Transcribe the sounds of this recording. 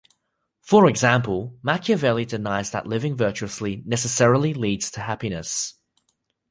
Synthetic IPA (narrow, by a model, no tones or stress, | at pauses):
fə˞ɪɡzãmpəlˠmakʰjəvɛlˠidɪnaɪzðə̰ʔlɪvɪ̃ŋvɜˑt͡ʃʉəslinɛsəsɛɹəl̩ˠiliːdz̥tʰəhapinəs